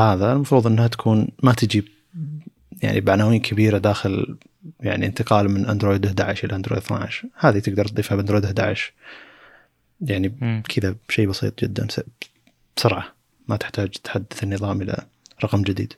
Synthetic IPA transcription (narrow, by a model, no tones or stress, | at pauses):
haːðalmɑfɾuːðˤʔɪnːhat̪ḁkʰuːnmat̪ɪd͡ʒib̚ | ja̰ʕnʔḭbaʕanawiːnkʰabiːɾad̪aːxɪl | ja̰ʕniɪnt̪ɪqɑːlmɪnʔand̪ɾoːjd̪hd̪a̰ʕɪʃʔɪlʔaʔand̪ɾo̰ːjd̪θna̰ʕɪʃhaːðit̪ɪɡ̚d̪ɑɾˤt̪̚d̪ˤiːfabʔand̪ɾoːjd̪hd̪a̰ːʕɪʃ | jaʕnikʰɪðaʃeːbɑsˤḭːt̪ˤd͡ʒɪd̪ːa̰ns | bsʊɾʕa | mat̪ɪ̥ħt̪aːd͡ʒt̪ħad̪ːaθɪnːɨðˤɑːmʔɪla̰ | ɾˤɑqɑmd͡ʒɪd̪ḭːd̪